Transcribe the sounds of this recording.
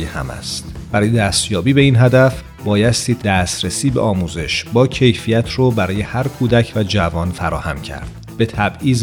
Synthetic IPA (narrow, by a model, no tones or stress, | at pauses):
ehæ̰mæ̰st̪b̥æɾɒːjed̪æst̪jɒːbiːbe̞inɦæd̪æf | bɒːjæst̪iːd̪æːst̪ɾesiːbḛʔɒːmuːze̞ʃbɒːcʰe̞jfijæt̪ʰroːbæɾɒːje̞hæɾkʰuːd̪æcʰvæd͡ʒævɒːnfæɾɒːhæ̰mcʰæ̰ɾd̪̥ | b̥e̞t̪ʰæbʔiːz